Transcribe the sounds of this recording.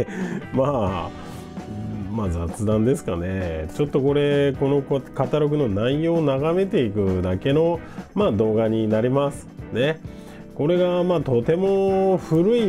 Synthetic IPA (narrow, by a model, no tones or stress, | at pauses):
maː | mazat͡sɨd̪ãnd̪e̞sɨ̥kane̞t͡ɕo̞t̪ːo̞ko̞ɾe̞ko̞no̞kkat̪aɾo̞k̬ɯ̟no̞naijo̞ːnaɡame̞t̪e̞ikɯ̟d̪ake̞no̞ | maːd̪o̞ːɡaɲ̟inaɾʲimasɨ̥ne̞ | ko̞ɾe̞ɡamaːt̪o̞t̪e̞mo̞ɸɯ̟ɾɯ̟i